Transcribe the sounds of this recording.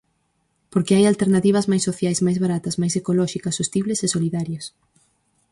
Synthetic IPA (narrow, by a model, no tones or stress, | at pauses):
poɾkeajalt̪eɾnat̪iβ̞ɐzmajsːoθjajzmajzβaɾat̪ɐzmajsekolɔʃikɐsost̪iβlesesoliðaɾjos